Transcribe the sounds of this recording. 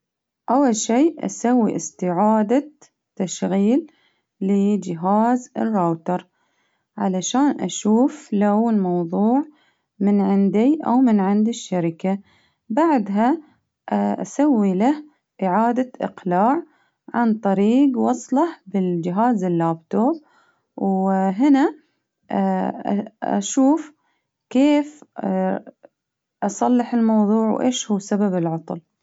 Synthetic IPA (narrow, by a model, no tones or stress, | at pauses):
ʔawːalʃiːʔa̰sawːḭʔɪst̪ɪʕaːd̪a | t̪ːaʃɣiːlː | ɪd͡ʒɪɦaːzɪ̰rːowt̪ɑɾˤ | ʕa̰laʃaːnʔa̰ʃuːflawɪlmɑwðˤuːʕ | mɪnʕɪnd̪iʔa̰wmɪnʕɪnd̪iʃːaɾɪka | baʕd̪ɦa | ʔʔa̰sawːilah | ʔɪʕaːd̪aʔɪ̰qlaːʕ | ʕant̪ˤɑɾiːɡwɑsˤlɑhbɪld͡ʒɪɦaːzɪlːaːb̚t̪oːb̚ | wɦɪna | ʔa̰ʃuːf | keːf | ʔɑsˤɑlːɪħɪlmɑwðˤuːʕwʔḛːʃhuːsababɪlʕɑt̪ˤl